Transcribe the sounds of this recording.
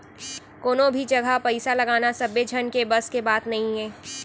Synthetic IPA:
koːnõbʱid͡ʒɐɡʱapɐɪsalɐɡaːnasɐbed͡ʒʱɐnkebɐskebaːt̪nɐɦĩɦɛ̃ː

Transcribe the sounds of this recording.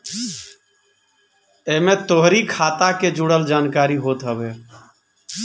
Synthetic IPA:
emẽt̪oɦɾikʰaːt̪aked͡ʒuɽəld͡ʒaːnkaːɾiɦoːt̪ɦəbe

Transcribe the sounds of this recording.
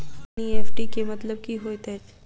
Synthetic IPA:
ieːfʈikemɐt̪ləb̚kiɦoːt̪ɛ

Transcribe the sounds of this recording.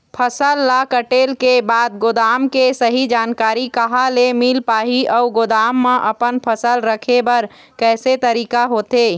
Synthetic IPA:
pʰəsəlːakəʈeːlkebaːd̪̚ɡod̪aːmkesəɦid͡ʒaːnkaːɾikəɦalemilpaːɦiɔɡod̪aːmːeʔəpənpʰəsəlɾəkʰebəɾ | kɛːset̪əɾiːkaɦoːt̪e

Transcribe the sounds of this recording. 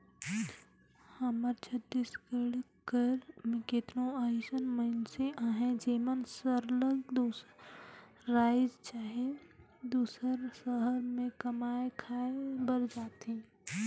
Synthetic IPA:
həməɾt͡ʃʰəd̪ːiskəɽ | kəɾmẽket̪nõaɪsənməɪnseʔaːɦẽd͡ʒiːmənsəɾləɡd̪u | ɾaːɪd͡ʒt͡ʃaːɦe | d̪uːsəɾsəɦəɾmẽkəmaːekʰaːebəɾd͡ʒaːt̪ĩ

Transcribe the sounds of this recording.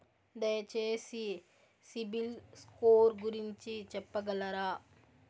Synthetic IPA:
d̪ɐjɐt͡ʃeːsi | sibilskoːɾɡuɾiɲt͡ʃit͡ʃɛpːɐɡɐlɐɾaː

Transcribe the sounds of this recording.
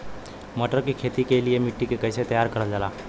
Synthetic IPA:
məʈəɾkikʰet̪ikeliemiʈːikekəjset̪əjaɾkəɾət̪d͡zala

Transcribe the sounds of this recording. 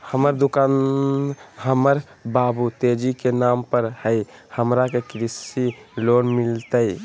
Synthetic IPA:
həməɾd̪ukan | ɦəməɾ | babut̪ed͡ʒikenampəɾhəjhəmɾakekɾisilonmilt̪əj

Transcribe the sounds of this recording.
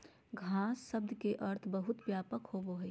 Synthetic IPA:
ɡʱaːsːəbd̪keʔəɾt̪ʰbəɦʊt̪bjaːpəkhoboɦɛ

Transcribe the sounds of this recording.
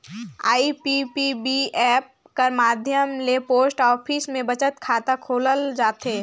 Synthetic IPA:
a̰ːipipibiɛːp̚ | kəɾmaːd̪ʱjəmlepoːsʈɔːpʰiːsmẽbət͡ʃət̪kʰaːt̪akʰoːləld͡ʒaːt̪eː

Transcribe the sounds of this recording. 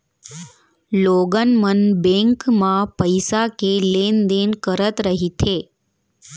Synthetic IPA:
loːɡənmənbẽŋkmãpəjsakelend̪enkəɾət̪ɾəɦit̪ʰeː

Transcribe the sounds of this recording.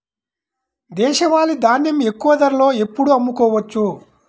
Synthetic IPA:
d̪ɛːʃɐʋaːlid̪aːnjɐme̞kːuʋɐd̪ɐɾlo̞ːe̞pːuɽuɐmːukɔːʋɐt͡ʃːu

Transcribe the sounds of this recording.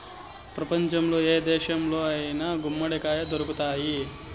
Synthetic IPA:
pɾɐpɐɲt͡ʃɐmloːeːd̪ɛːʃɐmloːɐːjɐnɐɡumːɐɽekaːjɐd̪oɾɐkut̪aːji

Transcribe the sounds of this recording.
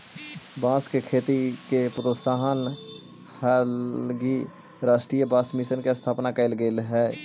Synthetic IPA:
bãːskekʰeːt̪ikepɾoːsaɦən | həlɡi | ɾaːsʈɾijəbãːsmɪʃənkest̪ʰaːpnakəɪlɡeːlɦɛː

